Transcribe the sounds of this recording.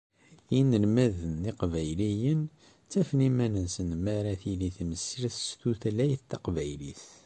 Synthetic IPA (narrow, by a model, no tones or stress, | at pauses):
inəlmæðənːiqvæjlijən | t͡sːæfnimænənsənmæɾæθiliθməsɾiθst̪uθlæjθt̪ːɑqvæjliθ